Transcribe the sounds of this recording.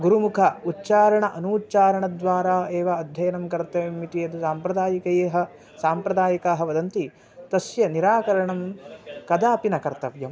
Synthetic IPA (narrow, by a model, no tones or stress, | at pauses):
ɡuɾumukʰɐutːt͡ʃaːɾɐɳɐʔɐnuːtːt͡ʃaːɾɐɳɐd̪ʋaːɾaːeːʋɐːd̪ʱjɐjɐnɐmkɐɾt̪ɐʋmːit̪iɐd̪usaːmpɾɐd̪aːjɐkɐjeːɦɐ̆ | saːmpɾɐd̪aːjɐkaːɦɐ̆ʋɐd̪ɐnt̪i | t̪ɐsjɐniɾaːkɐɾɐɳɐmkɐd̪aːpinɐkɐɾt̪ɐʋjɐm